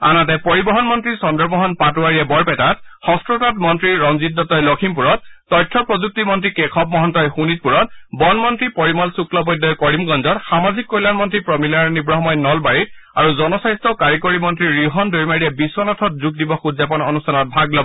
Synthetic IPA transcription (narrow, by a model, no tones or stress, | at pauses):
a̰natɛpoɹibɔɦɔnmɔntɹisɔndɔɹbɔɦɔnpatuaɹijɛbɔɹpɛtatxɔstɹotɔtmɔntɹiɹɹɔŋzitːɔtɔjlɔkʰimpuɹɔt̚ːɔjtʰːɔpɹɔzuk̚timɔntɹikɛkʰɔp̚mɔɦɔntɔjxunit̚puɹɔtbɔnmɔntɹipɔɹimɔlsukʰlɔpɔjdːɔjkɔɹimɡɔnzɔtxamazʱikːojlanmɔntɹipɹɔmilaɹnibɹɔɦmɔjnɔlbaɹit̚ | aɹuzɔnɔsajstɔkaɹikoɹimɔntɹiɹiɦɔndoɹimaɹijɛbiswɔnatʰɔt̚zuk̚dibɔxudzapɔnɔnustʰanɔt̚bʱaɡlɔbɔ